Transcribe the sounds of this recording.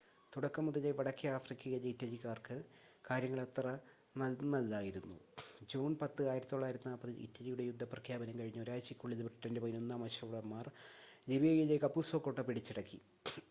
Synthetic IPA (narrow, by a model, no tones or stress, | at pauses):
t̪uɽɐkːɐmːuðɐleʋɐɽɐkʰːiɐaːfrikʲːɐɣeleitːɐlikːaːrkɨkaːɾjɐŋːɐɭɐt̪rɐ | nɐnɐlːaːjiɾunːṵd͡ʑoːnpɐt̪ːɨaːjiɾɐt̪it̪ːoɭːaːjiɾɐt̪ːinaːpːɐðɨʔḭtːɐlijuɽejud̪ʱːɐprɐkʰjaːbɐnɐmkɐɻiɲːuoɾaːjt͡ɕikʲːuɭːiðɨbriʈːɐndepɐðinonːaːmɐɕɐʋɽɐmːaːr | d͡ʑiʋijɐjileːkːɐpːusoːkːoʈːɐpːiɽit͡ɕːiɽɐkːḭ